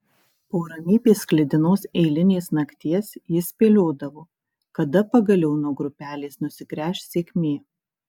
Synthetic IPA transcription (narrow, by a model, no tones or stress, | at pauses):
poːɾɐmʲiːpʲeːsklʲɪd̪ʲɪnoːsɛɪlʲɪnʲeːsnɐkt̪ʲiɛsjɪspʲeːlʲoːd̪ɐʋoː | kɐd̪ɐpɐɡɐlʲɛʊnoːɡɾʊpʲæːlʲeːsnʊsʲɪkɾʲæːʃʲsʲeːkʲmʲeː